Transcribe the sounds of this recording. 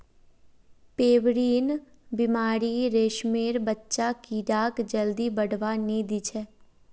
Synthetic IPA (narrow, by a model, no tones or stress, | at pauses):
peːʋɾiːn | bɪmaːɾiɾeːʃmeːɾbətːʃakiːɖaːkd͡ʒəld̪ibəɽʋaniːd̪it͡ʃʰɛː